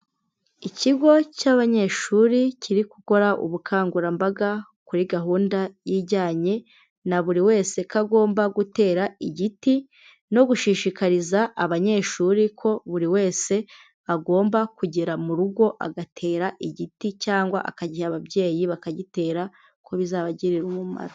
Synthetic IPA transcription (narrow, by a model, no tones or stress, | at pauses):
iciɡo̞caβaɲe̞ʃuɾicʰiɾiku̥ko̞ɾaʔṵβukʰaːŋɡuɾambaɡa | kuɾiɡaɦuːndajiɟaːɲe̞ | naβuɾiwe̞ːse̞kaɡo̞ːmbaɡute̞ːɾaiɟiti | no̞ɡuʃiʃikaɾizaʔːβaɲe̞ʃuɾikʰo̞βuɾiwe̞ːse̞ | aɡo̞ːmbakuɟiɾamuɾuɡwo̞ʔa̰ɡatʰe̞ːɾaʔiɟiticaːŋɡwa̰ʔa̰kaɟihaβabje̞ːjiβakaɟite̞ːɾa | kʰo̞βizaːβaɟiɾiɾumuma̰ɾa